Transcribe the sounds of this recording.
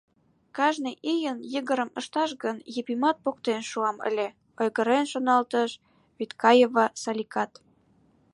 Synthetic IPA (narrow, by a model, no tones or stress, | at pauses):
kɑʒneʔijənjəɣəɾə̆mə̰̆ʃt̪ɑʃɣənjəpimɑt̪̚pokt̪enʃuɑmə̰lʲe | ojɣə̆ɾenʃonɑlt̪əʃ | βit̪kɑjevɑsɑlʲikɑt̪